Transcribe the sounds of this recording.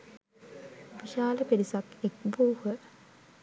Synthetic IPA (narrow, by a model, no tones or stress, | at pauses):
piʃaːləpeɾisakek̚buːhə